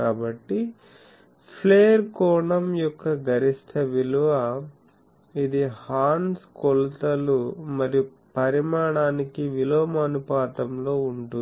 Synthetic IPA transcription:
aːbɐʈːi | pʰleːɐɾkɔːɳɐmjɔkːɐɡɐɾist̪ʰɐʋiluʋɐ | id̪ihaːnskɔlut̪ɐlumɐɾiju | pɐɾimaːɳaːnikiʋiloːmɐnupaːt̪ɐmlo̞ːuɳʈu

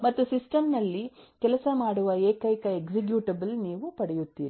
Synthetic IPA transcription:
mɐt̪ːusisʈɐmnɐlːikɛlɐsɐmaːɽuʋɐeːkɐjkɐeksik̬juːʈɐbɐlniːʋupɐɽɛjut̪ːiːɾi

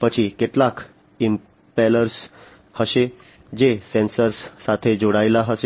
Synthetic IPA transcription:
pət͡ɕʰikeʈlakʰ | im | pɛləɾs | həse | d͡ʑesensəɾsːat̪ʰed͡ʑoɽajlaɦəse

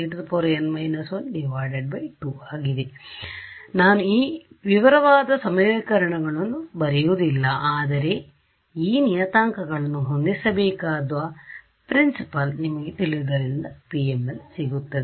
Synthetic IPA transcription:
iʈdpoːɾɐnmɐjnɐsʋɐnɖiʋaːɖeɖ̚bɐjʈuaːɡid̪e | naːnuiːʋiʋɐɾɐʋaːd̪ɐsɐmeːkɐɾɐɳɐɡɐɭɐnːubɐɾijud̪ilːɐaːd̪ɐɾe̞ | iːnijɐt̪aːŋkɐɡɐɭɐnːuɦo̞nd̪isɐbeːkaːd̪ʋɐ | pɾinsipɐlnimɐɡet̪iɭid̪ɐɾind̪ɐpiemːelsiɡut̪ːɐd̪e

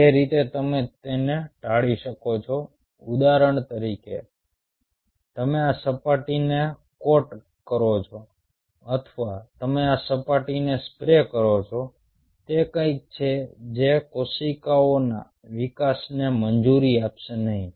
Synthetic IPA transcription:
d͡ʒeɾit̪et̪əmet̪eneʈaɭiʃəkot͡ʃʰo | ud̪aɾəɳ̃t̪əɾikḛ | t̪əmeasəpaʈine | koʈ | kəɾot͡ʃʰo | ət̪ʰʋat̪əmeasəpaʈinespɾekəɾot͡ʃʰo | t̪ekə̃ik̚t͡ʃʰed͡ʒekosikaona̰ | ʋikasnemənd͡ʒuɾiapʃenəɦĩ

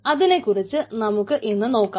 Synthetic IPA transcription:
ɐðinekːurit͡ɕːɨnɐmukːɨʔenːɨno̞ːkːa

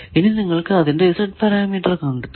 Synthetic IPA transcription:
ininiŋːɐɭkɨɐðindeisɐʈ̚pɐɾaːmiːʈːɐrkɐɳɖut̪ː

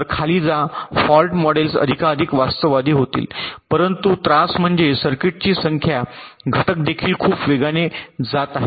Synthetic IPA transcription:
ɾkʰaliːd͡zafɔlʈmɔɽelsə̰d̪ʱikaəd̪ʱikʋast̪əʋad̪ʱiːɦot̪ḭːlpəɾənt̪ut̪ɾasm̤əɳd͡zesəɾkeʈ̚t͡ɕiːsəŋkʰja | ɡʱəʈək̚d̪ekʰiːlkʰuːpʋeɡaned͡zat̪aɦe

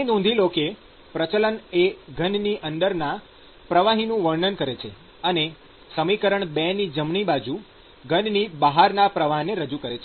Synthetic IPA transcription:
inɔ̃nd̪ʱiloke | pɾət͡ʃələneɡʱənniʔənd̪əɾna | pɾəʋaɦinũʋəɾɳənkəɾet͡ʃʰe | əne | səmikəɾəɳbɛnid͡ʒəmɳibad͡ʒu | ɡʱənnibəɦaɾnapɾəʋaɦneɾəd͡ʒukəɾet͡ʃʰe

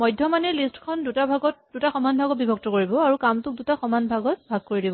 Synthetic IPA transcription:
mɔjdʱjɔmanɛlistkʰɔndutabʱaɡɔt̚d̥utaxɔmanbʱaɡɔt̚bibʱɔk̚tɔkoɹibɔaɹukamtʊk̚dutaxɔmanbʱaɡɔt̚bʱaɡ̚koɹidibɔ

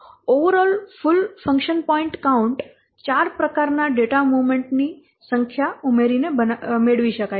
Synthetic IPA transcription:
oʋəɾɔlfʊlfə̃ŋkʃənpɔĩɳʈkauɳʈ | t͡ʃaɾpɾəkaɾnaɖeʈamuʋmẽɳʈni | sə̃ŋkʰjaumeɾinebənmeɽʋiʃəkaj

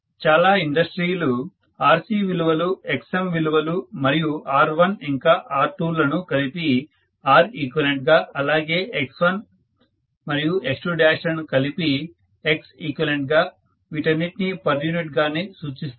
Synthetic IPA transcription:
t͡ʃaːlaːiɳɖɐsʈɾiːlu | aːɾsiːʋiluʋɐlueksemʋiluʋɐlumɐɾijuʔaːɾʋɐniŋkaːʔaːɾʈuːlɐnukɐlipi | aːɾiːkʋɐleɳʈ̚ɡaːɐlaːɡe̞ːeksʋɐn | mɐɾijueksʈuɖaːʂɐnkɐlipi | eksikʋɐleɳʈɡaː | ʋiʈɐnːiʈinipɐɾjuniʈɡaːnesuːt͡ʃist̪

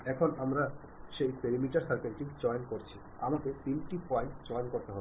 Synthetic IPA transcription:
ɛkʰonamɾa | ʃejpeɾimiʈaɾsaɾpenʈikd͡ʑɔjnkoɾt͡ɕʰi | amaket̪inʈipɔjɳʈd͡ʑɔjnkoɾt̪eɦɔ

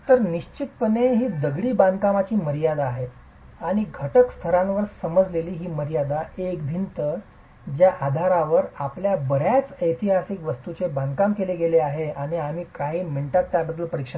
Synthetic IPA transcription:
t̪əɾniɕt͡ɕit̪pəneɦiːd̪əɡɭiːband̪ʱkamat͡ɕiːməɾijad̪aːɦe | aɽ̃iɡʱəʈəkst̪ʰəɾãnʋəɾsəməd͡zleliːɦiːməɾijad̪aekbʱint̪əɾ | d͡ʑjaʔad̪ʱaɾaʋəɾapljabəɾjat͡səjt̪ʰiɦasikʋəst̪ut͡sebãnd̪̚kamkeleɡeleaɦeaɽ̃iam̤iːkaɦiːməɳʈat̪ːjadəd̪uːlpəɾikʂə

